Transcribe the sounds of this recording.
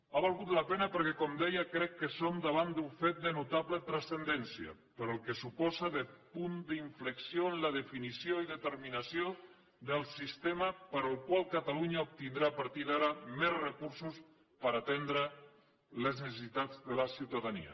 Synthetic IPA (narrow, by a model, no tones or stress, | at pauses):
aβalˠɣut̪lapenəpəɾkɛkɔmd̪ɛjəkɾɛkːəsomd̪aβ̞and̪uɱfet̪̚d̪ənut̪aβlət̪ɾasθənd̪ɛnsiə̰pəɾoəlˠkəsupɔzəðəpund̪iɱfləksjoənləðəfinisjoiðət̪əɾminasjo | ðəlˠsist̪eməpəɾəlˠkwalˠkat̪aluɲaup̚t̪ind̪ɾapəɾt̪iðaɾəmɛzrəkuɾsus | pəɾat̪end̪ɾə | ləznəsesit̪ad͡zd̪ələsiwt̪aðanḭə̰